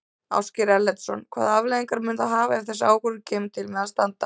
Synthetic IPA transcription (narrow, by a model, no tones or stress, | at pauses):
a̰wscɪɾɛlːɛt̪sɔnkʰva̰ːðavleðiŋkaɾmʏnt̪aɦaːvaɛɾ̥θɛsːaːwkɔɾʏceːmt̪ʰɪlmɛðaðst̪ant̪a